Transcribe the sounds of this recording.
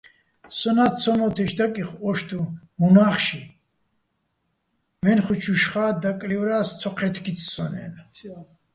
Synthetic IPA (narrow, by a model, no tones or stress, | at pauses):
sɔnat̪t͡sʰɔmɔt̪ʰɛʃd̪akʼiχɔʃt̪ʰu | munaχʃi | vɛnχut͡ʃʰuʃχaːd̪akʼlivɾast͡sʰɔqʰɛt̪ʰkʰit̪ʰsɔ̰nɛ̰n